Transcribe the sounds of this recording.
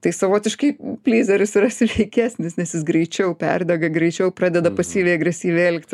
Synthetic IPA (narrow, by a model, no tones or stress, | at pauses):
t̪ɐɪsɐʋoːt̪ʲɪʃkɐɪpʲlʲiːzʲɛɾʲʊsiɾɐsʲɪʋʲɛɪkʲæːsʲnʲɪsnʲɛsjɪsɡɾʲɛɪt͡ʃʲɛʊpʲɛ̰rd̪ʲɛɡɐɡɾʲɛɪt͡ʃʲɛʊpɾɑːd̪ʲɛd̪ɐpɐsʲiːʋʲɛɪɐɡɾʲɛsʲiːʋʲeɛlʲkt̪ʲ